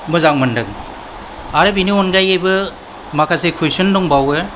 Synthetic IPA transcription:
mɯzaŋmɯndɯŋ | aɾɯbiniɔnɡajɡajbɯ | makʰasekʰujsɯndɔŋbawe

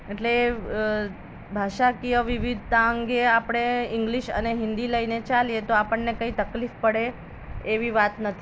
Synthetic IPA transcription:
eʈle | bʱaʃakijəʋiʋid̪ʱt̪aəŋɡeapɽ̃eɪ̃ŋɡliʃə̰neɦɪ̃nd̪iləinet͡ʃaliet̪oapəɳːekəĩt̪əklifpəɽeː | ʋiʋat̪nət̪ʰi

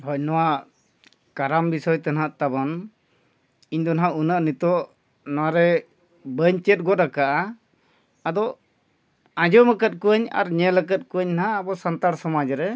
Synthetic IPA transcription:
hɔjnɔwaʔ | kaɾambisɔjt̪anaʔt̪abɔn | iɲd̪ɔnɦaunaʔnit̪ɔʔ | nɔwaɾɛ | bəɲt͡ʃɛt̪̚ɡɔt̪ɾakaʔaː | d̪ɔ | ãd͡ʒɔməkət̪̚kuəɲa̰ɾɲɛlək̬ət̪̚kuəɲnaɦaːbɔsant̪aɽsɔmad͡ʒɾɛ

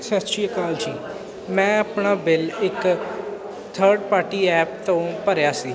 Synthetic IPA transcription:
sɛt͡ʃiːəkaːld͡ʒiː | mɛ̃ːəpnaːbɪlɪk | t̪ʰəːɾɖpaːɾʈiːɛːpt̪õːpəɾjaːsiː

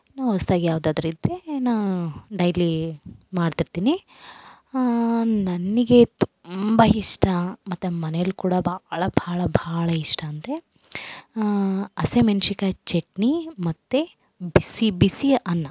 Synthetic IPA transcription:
naːʋost̪aːɡijaːʋd̪aːd̪ɐɾid̪ɾenaːʋɖɐjlimaːɖt̪iɾt̪iːni | nɐnːiɡe̞t̪u̥mbɐiʂʈɐmɐt̪ːemɐnejlːukuːɽɐbʱaɭɐbʱaːɭɐbʱaːɭɐiʂʈɐːnd̪ɾe̞ | ɐsemɐnʃikɐt͡ʃeʈnimɐt̪ːe | bisibisiɐnːɐ

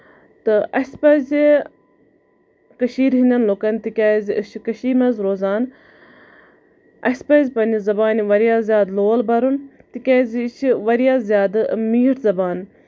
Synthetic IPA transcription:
t̪ɨʔɐsʲpɐzi | kɐʃiːɾɦinɐnloːkɐnt̪ikʲaːzɨʃʰkɐʃiːmɐzɾoːzaːn | ɐspɐzʲpɐnizɐbaːniʋɐɾijaːzjaːd̪loːlbɐɾun | t̪ikʲaːzt͡ʃʰiʋɐɾjaːzjaːd̪miːʈzɐbaːn

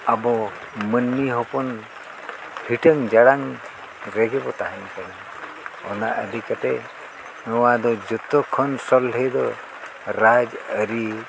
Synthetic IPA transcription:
abɔ | mənmiɦɔpɔn | hiʈəŋd͡ʒaɽaŋ | ɾɛɡɛbɔt̪aɦankani | ɔ̰naʔəd̪ʱikat̪ɛ | nɔwad̪ɔd͡ʒɔt̪ɔkʰɔnsɔlɦəjd̪ɔ | ɾad͡ʒəɾi

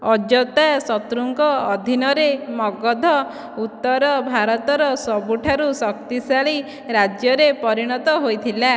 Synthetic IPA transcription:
ɔd͡ʒɔt̪asɔt̪ɾuŋkɔːd̪ʱinɔɾemɔɡɔd̪ʱɔ | ut̪ːɔɾɔbʱaɾɔt̪ɔɾɔsɔbuʈʰaɾusɔkt̪isaɭi | ɾad͡ʒjɔɾepɔɾiɽ̃ɔt̪ɔɦojt̪ʰila

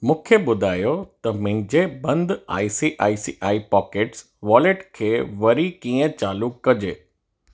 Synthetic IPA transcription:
mũːkʰeɓʊd̪ʱaːjot̪ɐmʊ̃ɦɪ̃d͡ʑebɐ̃nd̪ʱa̰ːisiʔaːisiʔaːipɔːkeːʈs | ʋɔːleʈkʰeːʋɐɾikiːə̃t͡ɕaːlukːɐd͡ʑeː

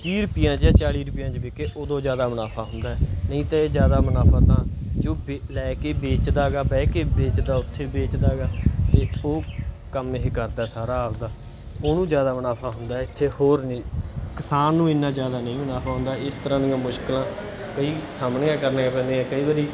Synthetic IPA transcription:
t̪iːɾʊpɪjãːt͡ʃaːt͡ʃaːɽiːɾʊpɪjãːt͡ʃbeːkeːʔoːd̪õːd͡ʒjaːd̪aːmənaːpʰaːɦʊnd̪aːɛːnəĩːt̪ãːeːzjaːd̪aːmənaːpʰaːt̪ãːt͡ʃõːbelɛːkeːbeːt͡ʃd̪aːɡaːbɛːkeːbeːt͡ʃd̪aːʊt̪ʰːeːbeːt͡ʃd̪aːɡaːt̪eːoː | kəmeɦekəɾd̪aːsaːɾaːɦəld̪aː | oːnũːd͡ʒjaːd̪aːmənaːpʰaːɦʊnd̪aːɛɪt̪ʰːeːhoːɾnĩːkɪsaːnːũːɪnːãːzjaːd̪aːnəĩːmənaːpʰaːɦʊ̃nd̪aːɪst̪əɾãːd̪ijãːmʊʃkɪlãː | kəiːsaːmneːãːkəɾneːapɛ̃ːnd̪eːãːkəiːʋaːɾiː

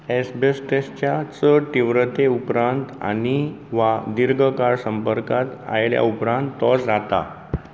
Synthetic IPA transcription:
esbesʈest͡ɕjat͡səʈiʋɾət̪eupɾãnt̪a̰niʋad̪iɾɡʱəkaɾsəmpəɾkat̪a̰jlja̰upɾãnt̪ːɔsd͡zat̪a̰

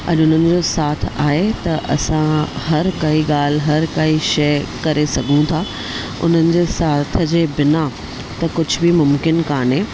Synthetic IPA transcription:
ɐ̰ʄʊn̤ənɪ̆d͡ʑoːsaːt̪̆ʰaːɦet̪ɐʔɐsãɦɐɾkɐiɠaːl̤ɦɐɾkɐiʃɐjkɐɾesɐɡʱũt̪ʰaː | ʊ̰n̤ənɪ̆d͡ʑeːsaːt̪̆ʰd͡ʑeːbɪna | t̪ɐkʊd͡ʑʱʊbɪmʊmkɪnkaːɳɦẽː

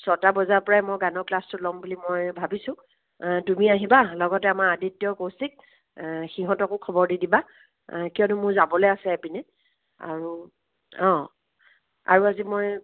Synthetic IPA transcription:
sɔtabɔzaɹpɔɹajmɔjɡanɔɹklastʊtlɔmbulimɔjbʱabisʊ̃ | tumiaɦibalɔɡɔtɛamaɹaditːjɔkowsik̚ | xiɦɔ̃tɔkʊkʰɔbɔɹdidiba | kijɔnʊmʊɹzabɔlɛasɛɛpinɛ | a̰ɹu | ɔ̃ | a̰ɹuazimɔj

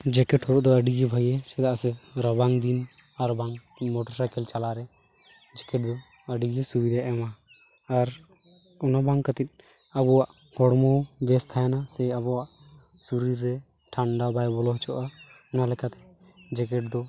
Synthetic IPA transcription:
d͡ʒɛkɛʈhɔɾɔʔd̪ɔəɖiɡibʱəɡɛsɛd̪aʔsɛɾɔbaŋd̪in | aɾbaŋ | mɔʈɔɾsajkɛlt͡ʃalaɾɛ | d͡ʒɛkɛʈ̚d̪ɔ | əɖiɡisubid̪aaʔɛmaː | ɾ | ɔnabaŋkːət̪it̪̚ˀ | abɔwaʔ | hɔɽmɔbɛst̪ʰajanasɛabɔwaʔ | suɾiɾːɛ | ʈʰaɳɖabajbɔlɔɦt͡ʃʰɔʔa | ɔnalɛkat̪ɛ̥d͡ʒɛkɛʈ̚d̪ɔ

